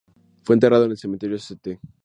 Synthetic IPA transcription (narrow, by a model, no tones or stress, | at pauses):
fwent̪eraðoenelsemĩnt̪eɾjoeset̪e